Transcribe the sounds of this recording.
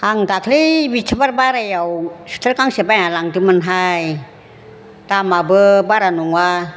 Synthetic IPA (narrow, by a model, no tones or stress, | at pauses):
haŋkakʰlibit͡ʃʰəbarbaɾajawsə̥t̪əɾkaŋsebajalaŋt̪imənɦaj | t̪amabəbaɾanuŋwa